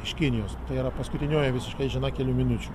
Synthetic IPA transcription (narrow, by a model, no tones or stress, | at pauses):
ɪʃkʲɪnʲɪjoːst̪ɐɪiɾɐpɐskʊt̪ʲɪnʲoːjɛʋʲɪsʲɪʃkɐɪʒʲɪnɐkʲɛlʲuːmʲɪnʊt͡ʃʲu